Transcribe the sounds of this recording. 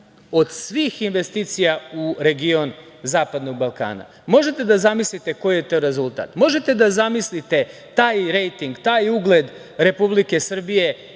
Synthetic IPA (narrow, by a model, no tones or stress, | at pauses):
o̞d̪sʋiːxinʋe̞st̪iːt̪sijauɾe̞ɡion | zaːpad̪no̞ɡ̚balˠka̰ːna̰ | mo̞ʒet̪e̞d̪azamislit̪e̞ko̞jijet̪oɾe̞zulˠt̪a̰ːt̪mo̞ʒe̞t̪e̞d̪azamislit̪e̞ | t̪aːjɾejt̪iŋɡt̪aːjuɡle̞d̪ | ɾe̞publike̞sr̩bije̞